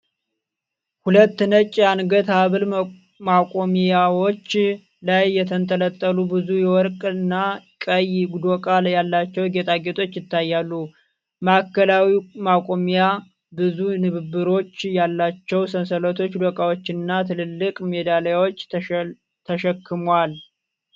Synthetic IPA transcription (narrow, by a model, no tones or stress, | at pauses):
hulət̪ːɨnət͡ʃʼːanɡət̪aβɨl | makʼomijawot͡ʃː | lajːɛt̪ʰənt̪ʰʼələt̪ʼːəlubɨzujɛwɔɾkʼnːakʼəjɡud̪okʼaljalːat͡ʃːɛwɡet̪ʼaɡe̞t̪ʰʼo̞t͡ʃːjɪt̪ʰːajːalːu | makːəlawimakʼo̞mija | bɨzunɨβɨbːɨɾo̞t͡ʃːjalːat͡ʃːɛwsənsələt̪ʰo̞t͡ʃːdokʼawo̞t͡ʃːɪnːat̪ʰɨlɨlːɨkʼmed̪aljwot͡ʃː | t̪ʰəʃəkʰːɨmwal